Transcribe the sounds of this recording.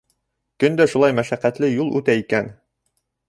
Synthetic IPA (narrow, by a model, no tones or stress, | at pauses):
kɵ̆nd̪æʃulˠɑjmæʃæqæt̪lɘjulˠʉt̪æikæn